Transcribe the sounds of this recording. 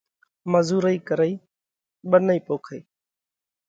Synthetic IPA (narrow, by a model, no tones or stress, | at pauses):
məzuːɾəiːkəɾəiː | ɓənəiːpoːkʰəiː